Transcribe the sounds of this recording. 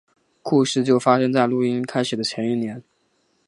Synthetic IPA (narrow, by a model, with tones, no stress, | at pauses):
ku˥˧ʂɻ̩˥˧t͡ɕjo˥˩ʊfa˥ʂɤ˥ŋt͡sa˥˧ɪlu˥˩i˥nkʰa˥ɪʂɻ̩˨˩d̪ə˦t͡ɕʰjɛ˧˥ni˥˩njɛ˧˥n